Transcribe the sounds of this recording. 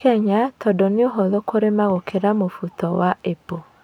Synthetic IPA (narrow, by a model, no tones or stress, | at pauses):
kɛɲatɔdɔneoɦɔðokoɾemaɣokʰeɾamofutɔwaepo